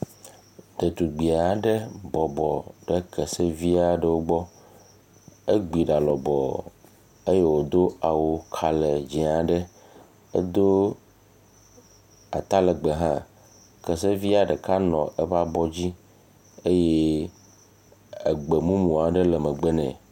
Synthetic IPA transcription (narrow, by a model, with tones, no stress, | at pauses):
ɖe˨t̪u˨ɡ͡bi˨a˨ɖe˦bɔ˨bɔ˨ɖɛ˦kʰɛ˨se˦vi˦a˨ɖə˦˨wo˦ɡ͡bɔ˦ | e˦ɡ͡bi˨ɖa˨lɔ˨bɔ̰˨ | e˦je˦wo˨d̪o˦a˨wo˨kʰa˨le˨d͡ʑi˨a˨ɖɛ˦ | ḛ˦d̪o˦ | a̰˨t̪a˦lɛ˨ɡ͡be˨ɦã̰˦ | kɛ˨se˦vi˦a˦˨ɖɛ˨ka˦nɔ̃˨ʔe˦ɸa˦bɔ˦d͡ʑi˦ | e˦je˦ | e˨ɡ͡be˨mũ˦mũ˨a˨ɖe˦lɛ˨mɛ˨ɡ͡be˦nɛ̰̃˨